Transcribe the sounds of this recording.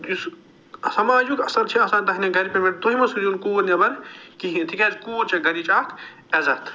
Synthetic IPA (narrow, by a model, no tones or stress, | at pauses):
us | sɐmaːd͡ʒukɐsɐɾt͡ʃʰiɐsaːnt̪ɐɦnʲɐɡɐɾipɐmeʈ̚t̪oɦimɐsud͡ʒunkuːɾnʲɐbɐɾkiɦĩt̪ʰikʲɛːzkuːɾt͡ʃɐɡɐɾit͡ʃaːkʰ | ɛzɐt̪ʰ